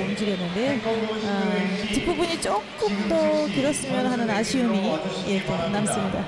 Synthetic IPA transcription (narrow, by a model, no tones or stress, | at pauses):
ʌmd͡ʑiɡjʌnːɯnde̞at͡ɕip͈ːubuɲit͡ɕ͈ok͈ɯmtʌkiɾʌs͈ɯmjʌnɦanɯnaɕʰiɯmije̞knams͈ɯmɲida̰